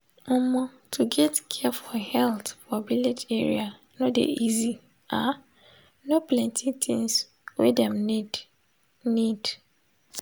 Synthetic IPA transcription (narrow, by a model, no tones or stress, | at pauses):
ɔmɔ | tʰuɡɛtkʰɛfɔhɛltfɔbiled͡ʒeɹḭa | nodḛʔizi | a | noplɛ̃ntʰitʰĩŋs | wedɛ̃m | nid̥